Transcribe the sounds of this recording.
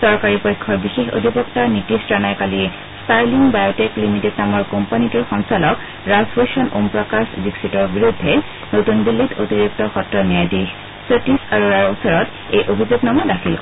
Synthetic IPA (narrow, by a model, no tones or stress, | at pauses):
sɔɹkaɹipɔjkʰːɔɹbixexo̰dʱipɔktaɹnitistɹanajkali | staɹliŋbajɔtɛklimited̚namɔɹkɔmpanitɔɹxɔnsɔlɔk | ɹazpesɔnompɹɔkasdiksitɔɹbiɹudʱːɛ | notunbilːitotiɹik̚tɔxɔtɹɔnijajdix | sotisaɹuɹaɹɔsɔɹɔt | ejʔobʱizuɡnɔmɔdakʰil